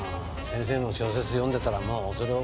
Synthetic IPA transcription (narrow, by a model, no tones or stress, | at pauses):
sẽ̞ɰ̃s̬e̞ːno̞ɕo̞ːs̬e̞t͡sɨjõnd̪e̞t̪aɾamoːzoɾeo